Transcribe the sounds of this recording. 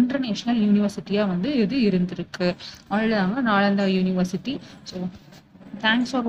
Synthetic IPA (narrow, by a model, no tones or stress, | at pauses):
ɪndrɐɾneːʂɐnɐljuːnɪʋɐɾsɪʈːijaːʋɐnd̪ɯɛðɯɪɾɯnd̪ɪɾɯkːɯaːɭlɯðaːŋɡɐnaːɭɐnd̪aːjuːnɪʋɐɾsɪʈːisoː | t̪ʰaːŋksfɔːɾ